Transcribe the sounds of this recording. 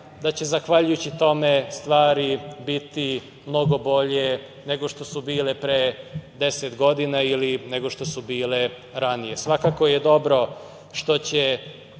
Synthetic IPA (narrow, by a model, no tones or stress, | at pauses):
d̪at͡ɕe̞zaxʋaʎujut͡ɕit̪o̞me̞st̪ʋaːɾibit̪i | mno̞ɡo̞bo̞ʎe | ne̞ɡo̞ʃt̪o̞subiːlepɾed̪e̞set̪ɡo̞d̪inailine̞ɡo̞ʃt̪o̞subiːle | ɾanije̞sʋakako̞jed̪o̞bɾo̞ | ʃt̪o̞t͡ɕe